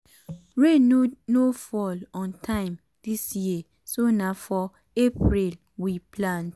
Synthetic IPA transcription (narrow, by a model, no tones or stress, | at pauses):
ɹennofɔlɔ̃ntʰãɪ̃m | d̥isji | sonafɔ | epɹil | wiplãnt